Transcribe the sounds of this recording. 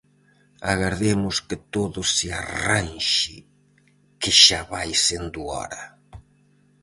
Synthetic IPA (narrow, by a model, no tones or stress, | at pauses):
a̰ɣaɾðemʊskɪt̪oðʊsɪaranʃɪ | kɪʃaβajsend̪uɔ̰ɾɐ